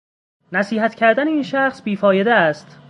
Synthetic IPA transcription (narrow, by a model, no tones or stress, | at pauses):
næsiːhæt̪cʰæɾd̪æneiːnʃæxsbiːfɒːje̞d̪eæst̪